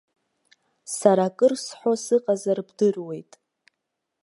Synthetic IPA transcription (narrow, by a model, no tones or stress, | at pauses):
saɾakʼɨrsħʷosɨqʼazarbdɨrwe̞jtʼ